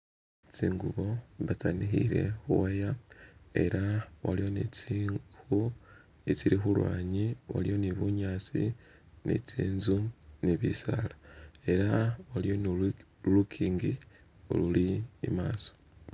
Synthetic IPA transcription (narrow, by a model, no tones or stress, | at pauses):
t͡siːŋɡuβo̞βat͡sanixḭɾe̞̰xuwajae̞̰ɾawalijo̞nit͡sixu | it͡siɾixulwa̰ːɲiwa̰lijo̞niβuɲaːt͡sḭ | nḭt͡siːnzuniβisa̰ːlae̞ɾawalijo̞nu | lukʰiːŋɡi | o̰luliːmaːso̥